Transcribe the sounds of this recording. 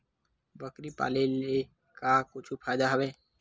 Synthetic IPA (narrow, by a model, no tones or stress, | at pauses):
bəkɾipa̰ːlele | kakʊt͡ʃʰupʰaːjd̪aɦəʋeː